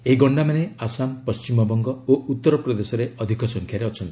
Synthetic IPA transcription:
eiɡɔɳɖamaneasampɔst͡ʃimɔbɔŋɡɔout̪ːɔɾɔpɾɔd̪esɔɾeɔd̪ʱikʰɔsɔŋkʰjaɾeɔt͡ʃʰɔnt̪i̥

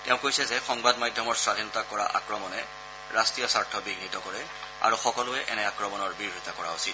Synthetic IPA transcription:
teʊ̃kojsɛzɛxɔŋbadmajdʱːɔmɔɹsɹadʱinɔtakɔɹa̰ʔa̰kɹɔmɔnɛ | ɹastɹijasaɹtʰɔbiɡnitɔkɔɹɛ | a̰ɹuxɔkɔlʊɛʔɛnɛakɹɔmɔnɔɹbiɹitakɔɹa̰osit

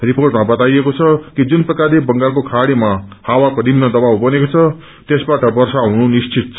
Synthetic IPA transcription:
riporʈmabʌt̪ajekot͡sʰʌkid͡zunprʌkaɾebʌŋɡarkokʰaɽimahawakonimnʌd̪ʌbawbʌnekot͡sʰʌ | t̪esbaʈʌbʌrsaɦununist͡sit̪̚t͡sʰʌ

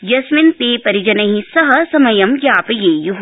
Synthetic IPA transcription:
jɐsmint̪eːpɐɾid͡ʒɐnɐɦĩsɐɦɐsɐmɐjɐmjaːpɐjeːjuɦ

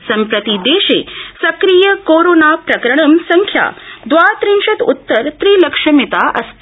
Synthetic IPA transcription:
sɐmpɾɐt̪id̪eːʃḛsɐkɾiːjəkoɾoːnapɾɐkɾɐɳ̃ɐmsɐŋkʰja̰d̪ʋat̪ɾiŋʂɐt̪ṵt̪ːəɾt̪ɾiːlɐkʂɐmit̪aʔɐ̰st̪

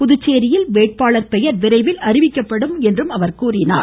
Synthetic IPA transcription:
pʊðʊt͡ʃːeːɾɪjɪlʋeːʈ̚paːɭɐɾpɛjɐɾʋɪɾɐɪʋɪlɐrɪʋɪkkːɐpːɐɽɯmɛndrɯmɐʋɐɾkuːrɪna̰ː

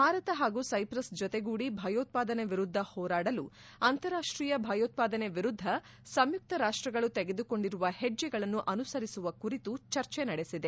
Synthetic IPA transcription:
bʱaːɾɐt̪ɐɦaːɡuːsɐjpɾɐsd͡ʒɔt̪eɡuːɽibʱɐːjoːt̪̚paːd̪ɐneʋiɾud̪ʱːɐhɔːɾaːɽɐlu | ɐnt̪ɐɾaːʂʈɾiːjɐbʱɐːjoːt̪̚paːd̪ɐne̞ʋiɾud̪ʱːɐ | sɐmjuk̚t̪ʰɐɾaːʂʈɾɐɡɐɭut̪eɡe̞d̪uko̞ɳɖiɾuʋɐhɛd͡ʒːɛɡɐɭɐnːuʔɐnusɐɾisuʋɐkuɾit̪ut͡ʃɐɾt͡ʃɛnɐɽesid̪e̞

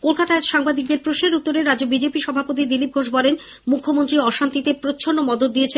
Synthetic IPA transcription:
kolkat̪aeʃaŋbad̪ik̚d̪eɾpɾoʃneɾut̪ːoɾeɾad͡ʑobid͡ʑepiʃɔbʱapot̪̬id̪ilip̚ɡʱoʃbɔlen | mukʰːomont̪ɾiɔʃant̪it̪epɾot͡ɕʰonːomɔd̪od̪ːijet͡ɕʰe

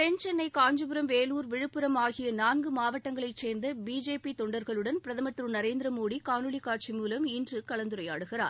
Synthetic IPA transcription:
pɛnt͡ʃɛnːɐɪkaːɲd͡ʒɯpɯɾɐmʋeːluːɾʋɪɻɯpːɯɾɐmaːɣɪjɐnaːnɡɯmaːʋɐʈːɐŋɡɐɭɐɪseːɾnd̪ɐbiːd͡ʒeːpit̪ɔɳɖɐɾɣɐɭɯɽɐnpɪɾɐðɐmɐt̪ːɾɯnɐɾeːnd̪ɪɾɐmoːɽikaːnɯɭikːaːʈt͡ʃimuːlɐmɪndrɯkɐɭɐnd̪ɯɾɐjaːɽɯɣɪra̰ːɾ

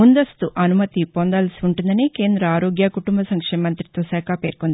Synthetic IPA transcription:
mund̪ɐst̪uʔɐnumɐt̪ipond̪aːlɐsiuɳʈund̪ɐniːke̞ːnd̪ɾɐaːɾoːɡjaːkuʈumbɐsɐŋkʂeːmɐnt̪ɾit̪ʋɐʃaːkape̞ːɾkond̪i

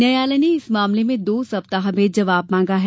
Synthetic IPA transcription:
nɐjaːlɐneɪsmaːmlemẽd̪oːsɐp̚t̪aɦɐbeːd͡ʒɐʋaːbmãːŋɡaɦɛ

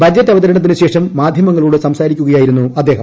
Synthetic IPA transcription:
bʱɐd̪jɐt̪ːɐʋɐðɐɾɐɳɐt̪ːinɨɕe̞ːʂɐmːaːd̪ʱjɐmɐŋːɐɭuːɽesɐmsaːɾikʲːuɣɐjaːjiɾunːuɐd̪ːe̞ːɦɐm

